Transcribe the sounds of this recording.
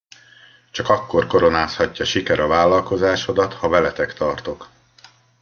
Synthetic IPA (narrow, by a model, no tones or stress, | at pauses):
t͡ʃɒkɒkːo̞rko̞ɾo̞naːshɒcːɒʃikɛɾɒvaːlːɒlko̞zaːʃo̞d̪ɒt̪hɒvɛlɛt̪ɛkt̪ɒrt̪o̞k